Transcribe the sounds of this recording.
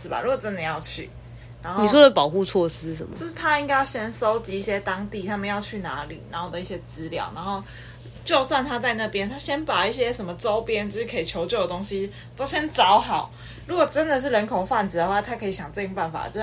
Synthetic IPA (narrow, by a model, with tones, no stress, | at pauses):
ʂɻ̩˥˩ba̰˨˩ɻu˧˥ɡwɔ˨˩t͡sə˦nd̪ə˨jɑ˥˧ʊt͡ɕʰy̰˥˩ | na˧˥nxoni˨˩˧s̬wɔ˦˥ə˧˩pɑ˨˩ʊxu˥˧t͡sʰwɔ˥˩s̩˦˥ʂə˨˦mt͡ɕo˥ʊʂɻ̩˥˩t̪ʰa˦˥i˥ŋka˥jɕjɛ˥nso˥ʊt͡ɕi˨˥i˥˩ɕjɛ˦t̪ɑ˥ŋt̪i˥˩t̪ʰa˥mə˨njɑ˥˧ʊt͡ɕʰy˥˩na̰˧˥˦lḭ˨˩na˧˦nxo˥˩ʊd̪ə˩i˥˩ɕjɛ˥t͡sɹ̩˥ljɑ̰˨˩ʊna˧˥nxo˥˩ʊ | t͡ɕjo˥˧ʊswa˥˩nt̪ʰa˥t͡sa˥˧ɪna˥˩pjɛ˥nt̪ʰa˥ɕjɛ˥npa˨˩i˥˩ɕjɛ˦˥ʂə˨˩nmə˦ʈ͡ʂo˦˥ʊpjɛ˦˥nt͡ɕi˥˧˥ʂɻ̩˥˩kʰə˧˥i˨˩t͡ɕʰjo˧˥ʊt͡ɕjo˥˩ʊd̪ə˩o˥ŋɕi˦ | t̪o˥ʊɕjɛ˥nt͡sɑ˧˦˥ʊxɑ˨˩˦ʊ | ɻu˧˥kwɔ˨˩ʈ͡ʂə˦˥nd̪ə˨ʂ̬ɻ̩˥˩ɻə˧˥nkʰo˨˩ʊfa˥˩nt͡sɹ̩˩d̪ə˨xwa˥˩t̪ʰa˥kʰɤ˧˥i˨˩ɕjɑ˨˩ŋt͡sɤ˥˧t͡ɕo˧˥ŋpa˥˩nfa̰˨˩t͡ɕjo˥˧ʊ˥